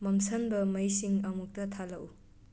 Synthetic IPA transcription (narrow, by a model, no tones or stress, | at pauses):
mɐmsɐnbɐmɐjsiŋɐmuk̚tɐtʰalɐʔw